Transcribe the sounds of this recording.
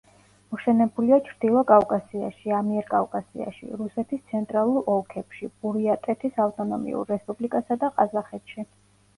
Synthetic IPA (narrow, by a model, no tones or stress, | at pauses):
mɔʃɛnɛbuliat͡ʃʰɾd̪ilˠɔkʼavkʼasia̰ʃiamiɛɾkʼavkʼasḭa̰ʃḭɾusɛt̪ʰist̪sʰɛnt̪ʼɾalˠuɾɔlˠkʰɛpʃib̥uɾiat̪ʼɛt̪ʰisaft̪ʼɔnɔmḭṵɾːɛspʼublikʼasad̪aqʼazaχɛt̪ʰʃi